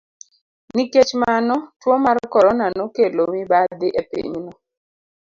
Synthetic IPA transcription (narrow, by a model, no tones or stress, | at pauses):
niket͡ʃmanɔtwɔmaɾkɔɾɔnanokelomibad̪ɪʔepḭɲnɔ